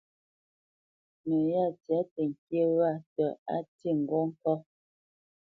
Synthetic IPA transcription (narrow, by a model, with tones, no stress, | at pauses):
nə˨ja˦˨tja˨˦tə˨ŋ̩˨kje˦wa˦˨tɔ˨a̰˦ti˦˨ŋ̩˨ɡɔ˦ŋ̩˦kɔ˦